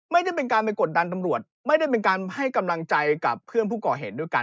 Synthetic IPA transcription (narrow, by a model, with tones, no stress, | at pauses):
ma˥˩jda˥˩jpe˧nkaː˧npa˧jko˨˩t̪̚da˧nt̪̬a˧mɾu˨˩ət̪̚ma˥˩jda˥˩jp̬e˧nkaː˧nha˥˩jka˧mla˧ŋt͡ɕa˧jka̰˨˩pʰːɯ˥˩ənpʰuː˥˩kɔː˨˩ɦeː˨˩t̪̚du˥˩jka̰˧n